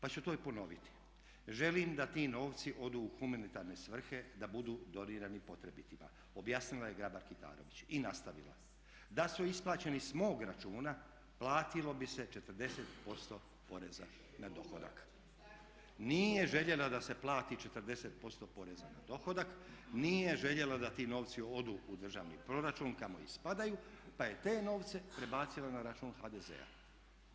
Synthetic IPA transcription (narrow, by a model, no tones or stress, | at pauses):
pat͡ɕut̪o̞ːipo̞no̞ʋit̪i̥ | ʒe̞liːmd̪at̪iːno̞ːʋt̪siʔo̞d̪uːxumanit̪aɾne̞sʋr̩xe̞d̪abud̪uːd̪o̞niːɾanipo̞t̪ɾe̞bit̪ima̰ | o̞bjaːsnilˠaje̞ɡɾabaɾkit̪a̰ːɾo̞̰ʋit͡ɕinast̪aʋḭlˠa̰ | d̪asuisplˠaːt͡ɕe̞nismo̞ːɡɾat͡ʃuːna | plˠaːt̪ilo̞bise̞t͡ʃe̞t̪r̩d̪e̞set̪po̞st̪o̞ | po̞ɾe̞za̰ | nad̪o̞xo̰d̪a̰k | niːjeʒe̞ʎe̞lad̪ase̞plˠaːt̪it͡ʃe̞t̪əɾd̪e̞set̪̚po̞st̪o̞po̞ɾe̞zana̰d̪o̞xo̞d̪akniːje̞ʒe̞ʎe̞lad̪at̪iːno̞ːʋt̪sio̞d̪uːud̪r̩ʒa̰ːʋnḭpɾo̞ɾat͡ʃuːnkamo̞̰ḭspad̪ajupaje̞t̪e̞ːno̞ːʋt̪se̞pɾe̞baːt̪silanaɾat͡ʃuːnxaːd̪eze̞̰a̰